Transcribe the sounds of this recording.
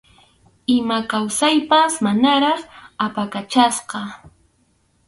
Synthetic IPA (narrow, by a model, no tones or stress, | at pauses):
ɪmakawsajpasmanaɾɑχapakat͡ʃasqɑ